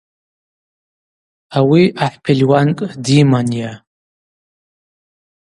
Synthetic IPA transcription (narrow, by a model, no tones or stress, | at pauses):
awiʔaħʷpʰelʲwankʼdimanja